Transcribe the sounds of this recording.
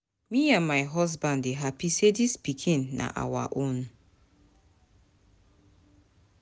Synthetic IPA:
miãnmajɦɔs̬bãndeɦapisedispikʰĩnːʔa̰ʔa̰wa̰ʔun

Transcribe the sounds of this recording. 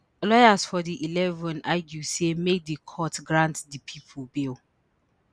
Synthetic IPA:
lɔjasfɔdiʔilɛvɔ̃naɪɡusemedikʰɔtɡɹãntdipʰipʰulbil

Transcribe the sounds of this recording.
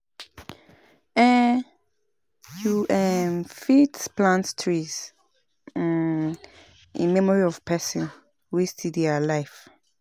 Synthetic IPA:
ɛ | juʔɛmfidsplãntstʰɹiz̥ | ḭ̃nmɛmɔɹiɔv̥pʰɛsɔ̃n | wistʰidalajf

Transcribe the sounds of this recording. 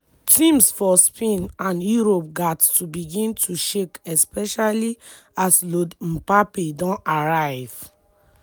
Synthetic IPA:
tĩmsfɔspʰẽnãnjuɹop̚ɡattubiɡĩntʰuʃekɛspɛʃali | aslodm̩papedɔ̃naɹaɪv̥

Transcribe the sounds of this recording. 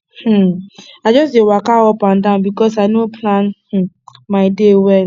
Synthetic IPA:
h̩aɪd͡ʒɔsdewakawɔpãndãʊ̃nbikɔsaɪnopʰlanh̩ | maɪdewɛl

